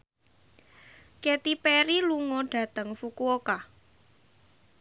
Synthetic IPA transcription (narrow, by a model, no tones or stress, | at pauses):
ket̪ipeɾiluŋɔɖ̥ä̤t̪əŋfukuoka